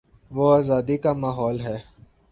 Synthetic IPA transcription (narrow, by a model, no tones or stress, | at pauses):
ʋoaːzaːd̪ikamaːɦɔːlɦɛː